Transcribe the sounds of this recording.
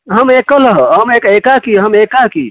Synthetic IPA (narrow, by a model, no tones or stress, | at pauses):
ɦəmekələɦɦəmekekakiɦəmekaki